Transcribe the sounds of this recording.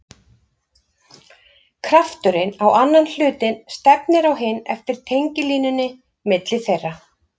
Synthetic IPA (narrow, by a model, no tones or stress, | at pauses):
kʰɾaft̪ʏɾɪnawanːanl̥ʏːt̪ɪnst̪ɛpnɪɾawɦɪnːɛ̰ft̪ɪɾ̥t̪ʰejɲcɪliːnʏnːɪ | mɪt̪lɪθejrːa